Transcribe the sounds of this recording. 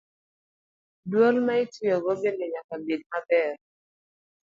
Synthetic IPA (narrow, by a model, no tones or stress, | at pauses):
dwolmaɪtijɔɡɔbelɛɲakabid̚mabɛr